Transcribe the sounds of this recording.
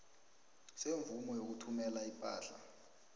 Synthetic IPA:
seɱvumɔjok̬utʰumɛlaipʼaːɬa

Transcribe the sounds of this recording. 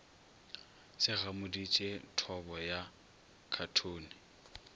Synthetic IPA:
sɪɣamʊdit͡ʃʼetʰɔbɔja | kʰatʰoːnɪ

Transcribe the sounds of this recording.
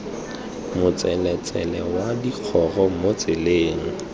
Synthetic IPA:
mʊt͡sʼɛlɛt͡sʼɛlɛwadiq͡χʰɔrɔmot͡sʼɪleːŋ̩

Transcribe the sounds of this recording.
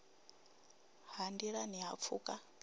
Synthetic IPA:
handiɺaniɦap̪fʰuːkʼa

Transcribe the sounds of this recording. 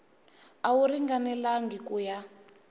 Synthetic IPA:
awuɾiŋɡanɛlaŋɡikuja

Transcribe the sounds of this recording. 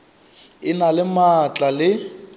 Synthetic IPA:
ɪnalɪmat͡ɬʼalɪ

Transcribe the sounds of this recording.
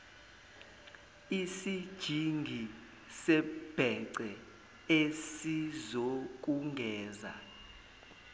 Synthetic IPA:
isid̥ʒ̥ʱiŋɡʱi | sɛb̥ʱɛǀɛ | esizok̬uŋɡʱɛːza̰

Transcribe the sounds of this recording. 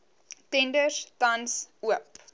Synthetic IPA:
tɛndərtɐnsuəp̚

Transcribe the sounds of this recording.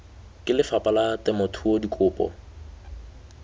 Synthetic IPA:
kʼɪlɪfapʼalatɛmʊtʰuodikʼʊːpʼɔ̰

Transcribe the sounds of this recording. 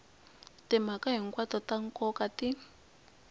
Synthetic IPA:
tim̤akaɦiŋ̩kwatɔtaŋ̩kɔkati

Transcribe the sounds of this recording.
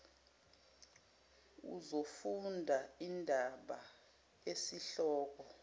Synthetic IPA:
ṵzofundʱaindʱaɓa | esiɬɔːk̬ɔ

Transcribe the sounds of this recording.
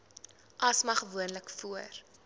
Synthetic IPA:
ʔɐsmɐχəvuənləkfuər

